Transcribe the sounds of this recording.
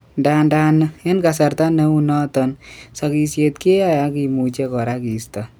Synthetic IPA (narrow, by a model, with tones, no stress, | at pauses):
ndanda˦nɪ˦nka˨sa˨ɾt̪a˦ne˦u˦nɔ˦t̪ɔnsa˨ki˨sje˨t̪̚ke˦a˦ja˦ki˨mu˨t͡ʃe˦kɔ˨ɾa˦ki˨st̪a˨